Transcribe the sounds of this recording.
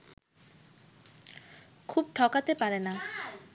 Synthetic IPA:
kʰub̚ʈʰɔkat̪epaɾena

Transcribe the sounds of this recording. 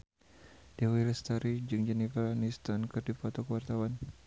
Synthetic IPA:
d̥ɛwiləst̪aɾid͡ʒɨŋd͡ʒɛnifranist̪ankɨrdifɔt̪ɔkəwart̪awan

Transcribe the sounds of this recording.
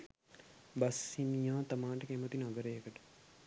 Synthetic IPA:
bɐsinijaːt̪ɐmaːɳʈəkemət̪inɐɡəɾejəkəʈə̥

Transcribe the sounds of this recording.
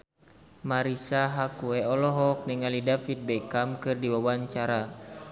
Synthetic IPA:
maɾisaɦakuɛɔlɔɦɔk̚niŋalidafit̪̚bɛkamkɨrdiwawaɲt͡ʃaɾa

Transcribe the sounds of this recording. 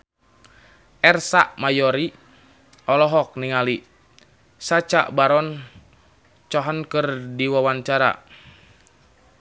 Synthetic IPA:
ɛrsaʔmajɔɾi | ɔlɔɦɔk̚niŋali | sat͡ʃa̰ʔbaɾɔn | t͡ʃɔɦənkɨrdiwawaɲt͡ʃaɾa̰

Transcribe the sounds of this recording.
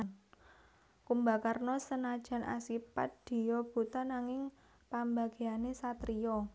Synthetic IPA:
n | kumbakarnɔsənad̥ʒ̥ä̤nʔa̰sipa̰t̪̚d̪̥i̤jɔb̥ut̪anaŋɪŋ | pambaɡ̥eanesat̪ɾijɔ

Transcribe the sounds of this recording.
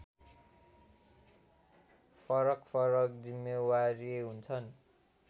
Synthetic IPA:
pʰʌɾʌkpʰʌɾʌk̚d͡zimːjʌwaɾieɦunt͡sʰʌn

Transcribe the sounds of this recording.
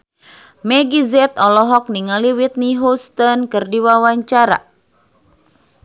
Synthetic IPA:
mɛɡizɛt̪ɔlɔɦɔk̚niŋaliwit̪̚niɦust̪ɔnkɨrdiwawaɲt͡ʃaɾa̰

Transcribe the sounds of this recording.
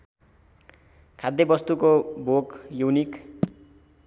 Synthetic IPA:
kʰad̪ʱjʌbʌst̪ukobʱokjownik

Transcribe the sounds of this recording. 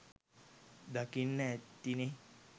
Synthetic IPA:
d̪akinːəɛt̪ːine

